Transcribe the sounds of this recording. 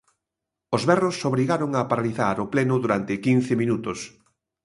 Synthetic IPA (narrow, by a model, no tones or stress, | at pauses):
ozβɛrosːoβɾiɣaɾoŋapaɾaliθa̰ɾoplɛnʊðuɾant̪ɪkin̟θɪmĩnut̪ʊs